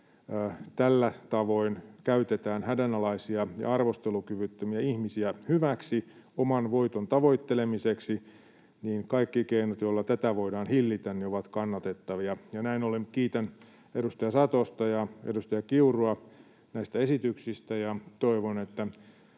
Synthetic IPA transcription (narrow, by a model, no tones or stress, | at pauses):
t̪ælːæt̪ɑʋoinkæyt̪et̪æːnhædænɑlɑisiɑjɑ̰ɑrʋost̪elukyʋyt̪ːømiæihmisiæhyʋæksi | omɑnʋoit̪ont̪ɑʋoit̪ːelemiseksi | niːnkɑikːikeinot̪jolːɑt̪æt̪æʋoidɑːnhilːit̪ænnioʋɑt̪kɑnːɑt̪et̪ːɑʋiɑjɑnæinolenkiːt̪æn | edust̪ɑjɑsɑt̪ost̪ɑjɑḛdust̪ɑjɑkiuroɑ | næist̪æesit̪yksist̪æjɑt̪oiʋonet̪ːæ